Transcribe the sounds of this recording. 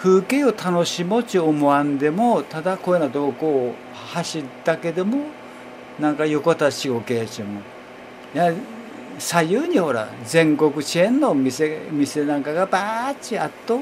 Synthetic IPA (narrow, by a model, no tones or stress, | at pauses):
ɸɯ̟ːkeot̪ʰanoɕimot͡ɕiomoãnd̪e̞mot̪ad̪akoenad̪o̞ːko | haɕit̪ake̞d̪omo | nãŋkajo̞kot̪aɕiɡo̞ke̞ːt͡ɕimo | ja | sajɯːɲ̟iho̞ɾa̰zẽ̞ŋko̞kɯ̟t͡ɕiẽnːomisemʲise̞nãŋkaɡabaːt͡ɕiat̪ːo